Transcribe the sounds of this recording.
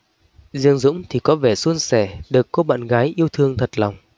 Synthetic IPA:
zɨ˧əŋzʊ̰˧˥ŋ͡mt̪ʰi˨˩kɔ˨˦ve˧˩su˧ənsɛ˧˩ɗɨ˨˩əkːo˧ɓa̰ː˧˨nɣaː˨˦jʔi˧əwt̪ʰɨ˧əŋt̪ʰə˨˩t̚la˨˩wŋ͡m

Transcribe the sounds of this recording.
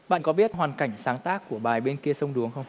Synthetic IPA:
ɓa̰ː˧˨nkɔ˨˦ɓi˦˥ət̚ɦwaː˨˩nka˧˩jŋ̟saː˨˦ŋt̪aː˦˥kːu˧˩əɓaː˨˩jɓe˧nki˧əsə˧wŋ͡mɗu˨˦əŋxə˧wŋ͡m

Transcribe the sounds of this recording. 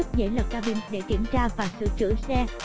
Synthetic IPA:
k̚zə̰˧˦jlə˨˩t̚kaː˧ɓi˧nɗḛ˧˩kḭ˧˩əmt͡ɕaː˧vaː˨˩sɨ̰˧˨t͡ɕɨ̰˧˥sɛ˧

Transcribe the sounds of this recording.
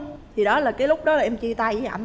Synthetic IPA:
t̪ʰi˨˩ɗɔ˨˦laː˨˩kaː˨˦jlʊ˦˥k͡p̚ɗɔ˨˦laː˨˩ʔɛ˧mt͡ɕi˧t̪a˧jʔa̰˧˩

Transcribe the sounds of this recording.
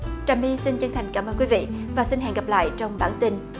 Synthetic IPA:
t͡ɕa˨˩mi˧si˧nt͡ɕə˧ŋt̪ʰa˨˩jŋ̟kaː˧˩məː˧kwi˨˦vḭ˧˨vaː˨˩si˧nɦɛ̰˧˨ŋɣa˨˩p̚la̰ː˧˨jt͡ɕɔ˧wŋ͡mɓaː˧˩nt̪i˧n

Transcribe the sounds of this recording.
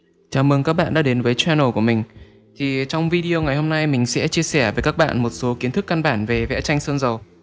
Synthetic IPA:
t͡ɕaː˨˦mɨ˨˧˩ŋkaː˦˥k̚ɓa̰ː˧˨ɗaː˧˥ɗe˨˦nvəː˨˦jt͡ɕwɛ˧nə˨˧˩ku˧˩əmï˨˩ŋ̟ | t̪ʰi˨˩t͡ɕɔ˧wŋ͡mvi˧ɗi˧ə˧ŋa˨˩jho˧mna˧jmï˨˩ŋ̟sɛ̰˧˥t͡ɕi˧əsɛ˧˩vəː˨˦jkaː˦˥k̚ɓa̰ː˧˨nmo˨˩t̚so˨˦ki˨˦ənt̪ʰɨ˦˥kːa˧nɓaː˧˩nve˨˩vɛ̰˧˥t͡ɕa˧jŋ̟səː˧nzə˨˩w

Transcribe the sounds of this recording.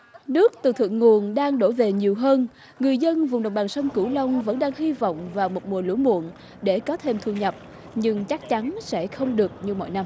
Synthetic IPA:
nɨ˦˥ək̚t̪ɨ˨˩t̪ʰɨ̰˧˨ŋːu˨˩ənɗaː˧ŋɗo˧˩ve˨˩ɲi˨˩əwɦəː˧n | ŋɨ˨˩əjzə˧nvʊ˨˩ŋ͡mɗə˨˩wŋ͡mɓaː˨˩sə˧nku˧˩lə˧wŋ͡mvə̰˧˥nɗaː˧ŋɦi˧vɔ̰˧˨wŋ͡mvaː˨˩wmo˨˩t̚mu˨˩əlṵ˧˥mṵ˧˨ən | ɗe˧˩kɔ˨˦t̪ʰe˧mt̪ʰu˧ɲə˨˩p̚ | ɲɨ˧ŋt͡ɕa˦˥k̚t͡ɕa˨˦nsɛ̰˧˥˨xə˧wŋ͡mɗɨ˨˩ək̚ɲɨ˧mɔ̰˧˨jna˧m

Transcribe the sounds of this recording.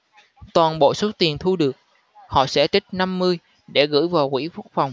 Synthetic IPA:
t̪waː˨˩nɓo̰˧˨so˨˦t̪i˨˩ənt̪ʰu˧ɗɨ˨˩ək̚ | hɔ̰˧˨sɛ̰˧˥t̪ï˦˥k̟̚na˧mːɨ˧əj | ɗe˧˩ɣɨ̰˧˥jvaː˨˩wkḭ˧˥fʊ˦˥k̚fa˨˩wŋ͡m

